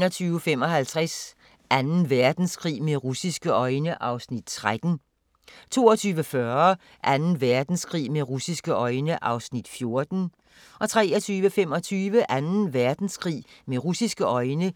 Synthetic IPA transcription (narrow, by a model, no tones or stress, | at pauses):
nɐt͡sʰyːʊəfemɒ̽ɦælt͡sʰʁas | ʔænn̩ʋæɐd̥n̩skʰʁḭːmeʁusisɡ̥əʔɒ̽ɪnəʔɑ̈ʊsnid̥t͡sʰʁad̥n̩ | t͡sʰo̝̰ːɒt͡sʰyːʋəfɶɐ | ʔænn̩ʋæɐd̥n̩skʰʁḭːmeʁusisɡ̥əʔɒ̽ɪnəʔɑ̈ʊsnid̥fjo̝ɐd̥n̩ | ʔɒ̽t͡sʰʁɛɐt͡sʰyːʋəfem̰ɒ̽t͡sʰyːʋəʔænn̩ʋæɐd̥n̩skʰʁḭːmeʁusisɡ̥əʔɒ̽ɪnə